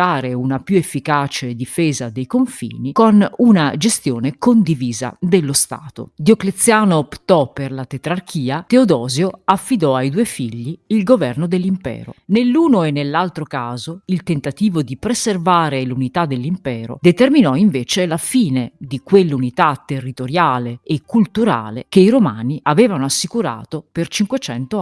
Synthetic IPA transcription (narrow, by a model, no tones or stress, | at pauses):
aːɾeunapjuefːikaːt͡ʃed̪ifeːzad̪ejkoɱfḭːnikonunad͡ʒest̪joːnekond̪iviːza̰d̪elːost̪a̰ːt̪o̰d̪joklet̪sːjaːnoːpt̪ɔpːerlat̪et̪ɾark̟ʰiːat̪eod̪ɔːzjoafːid̪ɔajd̪uːefiʎːiːlɡovɛrnod̪elːimpɛ̰ːɾo̰nelːuːnoenːelːalt̪ɾokaːzoilt̪ent̪at̪iːvod̪ipɾeservaːɾelunit̪ad̪elːimpɛːɾo̰d̪et̪erminɔiɱveːt͡ʃelafiːned̪ikwelːunit̪at̪ːerːit̪oɾjaːleːkːult̪uɾa̰ːlḛk̟eiɾomaːniʔavɛːvanoasːikuɾa̰ːt̪opert͡ʃiŋkwet͡ʃɛnt̪o